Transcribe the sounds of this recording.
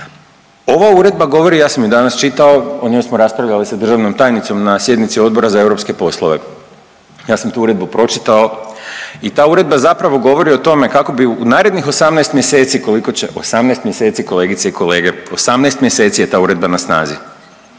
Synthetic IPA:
o̞ʋauɾe̞d̪̚baɡo̞ʋo̞ɾijaːsamjud̪anast͡ʃit̪ao̞oɲemosmoɾaspɾaʋʎalisad̪r̩ʒaʋnomt̪aːjnit̪so̞mnasje̞d̪nit̪sio̞d̪bo̞ɾazae̞wɾo̞pske̞po̞slˠoʋe̞ | jaːsamt̪uːuɾe̞d̪̚bupɾo̞t͡ʃi̥t̪ao̞ | it̪aːuɾe̞d̪̚bazapɾaʋo̞ɡo̞ʋo̞ɾio̞t̪o̞me̞kako̞biunaːɾe̞d̪nixo̞samnaːst̪mje̞se̞ːt̪siko̞liko̞t͡ɕe̞ʔo̞samnaest̪mje̞se̞t̪siko̞le̞ːɡit̪seikʰo̞le̞ːɡe̞o̞samnaest̪mje̞se̞t̪sije̞t̪aːuɾe̞d̪banasna̰ːzi

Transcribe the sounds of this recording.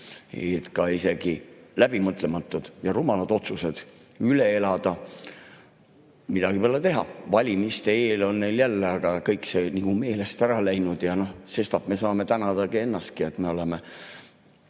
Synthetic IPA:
ḛjet̪kɑise̞ɡ̥ilæb̥imɤt̪ˑle̞mɑt̪ːˑud̪̥jɑɾumɑlɑd̪̥o̞t̪suse̞d̪̥ | yle̞elɑd̪̥ɑ | mid̪̥ɑɡ̥ipelet̪e̞ɦɑ̰vɑlʲimist̪e̞eːlo̞nːe̞jljælːeɑɡ̥ɑkɤjkse̞niɡ̥ume̞ːle̞st̪æɾɑlæjnud̪̥jɑno̞hse̞st̪ɑb̥me̞sɑːme̞t̪ænɑd̪̥ɑɡie̞nːɑst̪̚kie̞t̪ːme̞o̞leme

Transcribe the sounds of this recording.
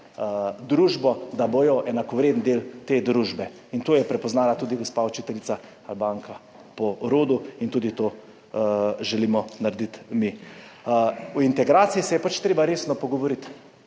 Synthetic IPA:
d̪ɾuːʒbɔd̪aboːjɔʔɛnakɔʋɾeːd̪nd̪eːlt̪ed̪ɾuːʒbɛ | int̪oːjɛpɾɛpɔznaːlat̪uːd̪iɡɔspaɔt͡ʃit̪ɛlisa | albaːŋka | pɔɾoːd̪uint̪uːd̪it̪oː | ʒɛliːmɔnaɾd̪it̪mi | uint̪ɛɡɾaːt̪siisɛjɛpat͡ʃt̪ɾeːbaɾeːsnɔpɔɡɔʋɔɾit̪

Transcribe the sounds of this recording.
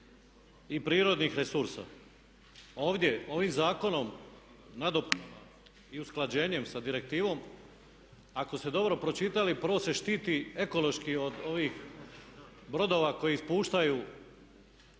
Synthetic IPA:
ipɾiːɾo̞d̪nixɾe̞suɾsa̰ | o̞ːʋd̪je̞o̞ʋiːmzaːko̞no̞m | nad̪o̞pa | iusklˠad͡ʑe̞ːɲe̞msad̪iɾe̞k̚t̪iːʋo̞m | ako̞st̪e̞d̪o̞bɾo̞pɾo̞t͡ʃit̪alipəɾʋo̞se̞ʃt̪iːt̪ie̞ko̞lo̞ʃkio̞d̪o̞ʋix | bɾo̞d̪o̞ːʋako̞jiispuːʃt̪aju

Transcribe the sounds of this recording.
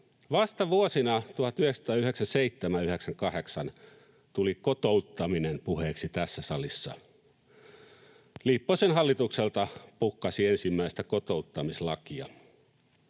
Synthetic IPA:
ʋɑst̪ɑʋuosinɑt̪uhɑt̪yheksɑ̥t̪ɑːyheksænseit̪ːemæyheksæŋkɑheksɑn | t̪ulikot̪out̪ːɑminempuheːksit̪æsːæsɑlisːɑ̰ | lipːosenɦɑlːit̪ukselt̪ɑpukːɑsiensimːæist̪ækot̪out̪ːɑmislɑkiɑ̰

